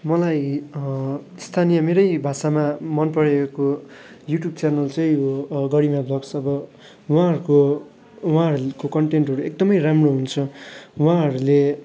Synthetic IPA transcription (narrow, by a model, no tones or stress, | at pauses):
mʌlaj | st̪ʰanijʌmeɾʌjbʱasamamʌnpʌɽekojuʈjub̚t͡sanʌlt͡sʌj̃joɡʌɽimabʱʌksʌbʌ | wãɦʌɾuko | wãɦʌɾukokʌɳʈenʈɦʌɾuek̚d̪ʌmʌjɾamroɦunt͡sʰʌwãɦʌɾule